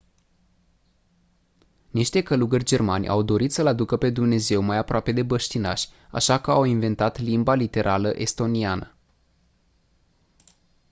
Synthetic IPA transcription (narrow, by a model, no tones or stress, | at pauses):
niʃt̪e̞kəluɡərʲd͡ʒe̞rmanʲʔa̰wd̪o̞ɾit̪səlad̪ukəpe̞d̪umne̞ze̞wmajapɾoape̞d̪e̞bəʃt̪ina̰ʃʲa̰ʃakəawinve̞nt̪at̪limbalit̪e̞ɾʔaləʔe̞st̪o̞nianə